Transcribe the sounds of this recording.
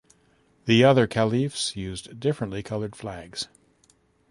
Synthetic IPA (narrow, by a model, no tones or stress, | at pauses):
ðiʌðə˞kʰælˠifsjʉzdɪfɹɨ̃nʔlikʰʌlˠə˞d̥flæɡz̥